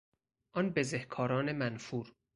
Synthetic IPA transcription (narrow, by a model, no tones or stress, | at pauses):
ʔɒnbezehkʰɒːɾɒːne̞mænfuːɾ